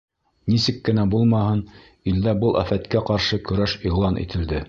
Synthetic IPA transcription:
nisɘkːɘ̆næbulˠmɑhɤn | ild̪æbɤlˠæ̰fæt̪kæqɑɾʃɤkɵ̆ɾæʃiʁlˠɑnʔḭt̪ʰɘ̆ld̪ɘ

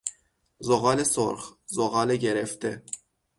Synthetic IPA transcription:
zoɣɑːlesoɾχzoɣɑːleɟeɾeft̪e

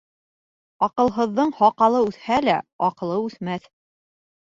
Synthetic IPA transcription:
ɒqɤ̆lˠɦɤ̆ðːɤɴhɒqɑlˠɤʉθhælæɒqɤ̆lˠɤʉθmæθ

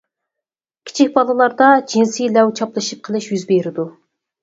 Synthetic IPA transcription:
kʲʰi̥t͡ʃʰik̚ʲbɑlˠɨlˠɑɾd̪ɑd͡ʒinsijlɛwt͡ʃʰɑplˠɨʃip̚qʰəlˠɨʃjyzbeɾɪd̪u

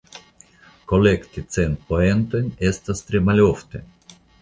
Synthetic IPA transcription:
kolekt̪it̪sent̪̚poent̪onʲest̪ast̪ɾʲemalʲoft̪e

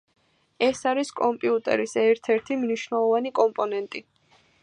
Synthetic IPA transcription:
ɛsaɾiskʼɔmpʼiut̪ʼɛ̰ɾisɛɾt̪ʰɛɾt̪ʰimniʃvnɛlˠɔvanikʼɔmpʼɔnɛnt̪ʼi

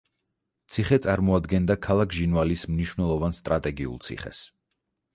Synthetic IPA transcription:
t̪sʰiχɛt̪sʼaɾmɔad̪ɡɛnd̪akʰalˠakʰʒinvalismniʃwnɛlˠɔvanst̪ʼɾat̪ʼɛɡiṵlˠt̪sʰḭχɛ̰s

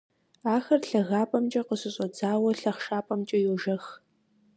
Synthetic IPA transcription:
aːxɐrɬɐɣaːpʼɐmt͡ʃʼɐqəɕʼɨɕʼɔd͡zaːwɐɬɐχʃaːpʼɐmt͡ʃʼɐjuʒɐx

